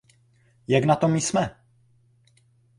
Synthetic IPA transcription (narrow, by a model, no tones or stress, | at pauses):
jaɡnat̪o̞mɪsmɛ